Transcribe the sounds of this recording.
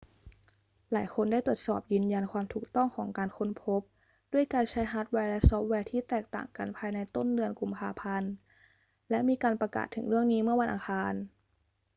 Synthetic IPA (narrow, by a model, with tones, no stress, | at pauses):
laː˩˦jkʰo˧nda˥˩jt̪u˨˩ə˩t̪sɔ̰ː˨˩p̚jɯː˧nja˧nkʰwaː˧mt̪ʰuː˨˩k̚t̪ɔ˥˩ŋkʰɔː˩˦ŋkaː˧nkʰo˦˥npʰo˦˥p̚ | du˥˩əjkaː˧nt͡ɕʰa˦˥jɦaː˦˥t̪̚wɛː˧˥lɛ˦˥sɔː˦˥p̚wɛː˧t̪ʰiː˥˩t̪ɛː˨˩k̚t̪a̰ː˨˩ŋka˧npʰaː˧jna˧jt̪o˥˩ndɯ˧ənku˧mpʰaː˧pʰa˧n | lɛ˦˥ʔmiː˧kaː˧npɾa˧ka̰ː˨˩t̪ʰːɯ˩˦ŋɾɯ˥˩əŋniː˦˥mɯ˥˩ɐwa˧nʔa̰ː˧xʰaː˧n